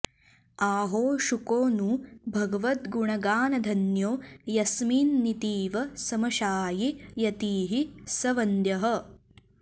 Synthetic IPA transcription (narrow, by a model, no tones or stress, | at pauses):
aːɦoːʃukoːnubʱɐɡɐʋɐt̪ɡuɳɐɡaːnɐd̪ʱɐnjoːjɐsmiːnːit̪iːʋɐsɐmɐʃaːjijɐt̪iːɦisɐʋɐnd̪jɐɦɐ̆